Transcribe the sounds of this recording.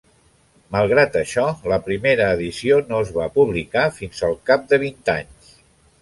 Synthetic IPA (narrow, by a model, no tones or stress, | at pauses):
məlˠɣɾat̪əʃɔləpɾimeɾəːðisionoəzβapuβ̞likafinzəlˠkap̚d̪əβ̞int̪a̰ɲs